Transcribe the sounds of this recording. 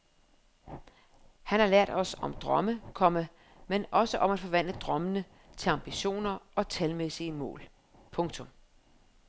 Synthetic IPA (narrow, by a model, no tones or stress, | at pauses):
hænhɑ̈læɐ̰d̥ɒ̽sɒ̽md̥ʁɒməkʰɒ̽mə | menɒ̽səʔɒ̽mæd̥fɒ̽ʋæn̰d̥əd̥ʁɶmənə | t͡sʰe̝lɑ̈mb̥iɕo̝̰ːnɐɒ̽t͡sʰælmesiəmɔ̰̽ːl | pʰɔ̽ŋt͡sʰɔ̽m